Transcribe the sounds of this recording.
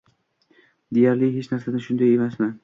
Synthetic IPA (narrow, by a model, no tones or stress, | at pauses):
d̪ejaɾlɪɦet͡ʃnaɾsanɪʃʊnd̪aje̞masmɪ